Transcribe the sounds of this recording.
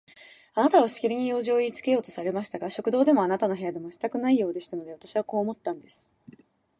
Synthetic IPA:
anat̪aβ̞aɕi̥kʲiɾʲiɲ̟ijo̞ːʑioit͡sɨ̥ke̞jo̞ːt̪o̞saɾe̞maɕi̥t̪aɡaɕo̞kɯ̟d̪o̞ːd̪e̞mo̞anat̪ano̞ɦe̞jad̪e̞mo̞ɕi̥t̪akɯ̟naijo̞ːd̪e̞ɕi̥t̪ano̞d̪e̞βat̪aɕiβ̞ako̞ːmo̞t̪ːãnd̪e̞sɨ̥

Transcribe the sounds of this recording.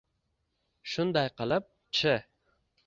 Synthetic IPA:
ʃund̪ɑjqəlˠɨp̚ | t͡ʃʰɪ

